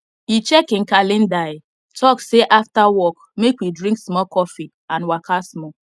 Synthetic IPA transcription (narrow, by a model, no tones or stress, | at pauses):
it͡ʃɛkĩnkalĩndaɪ | tʰɔkseʔaftawɔk | mekwidɹĩŋksmɔkɔfi | ãnwakʰasmɔ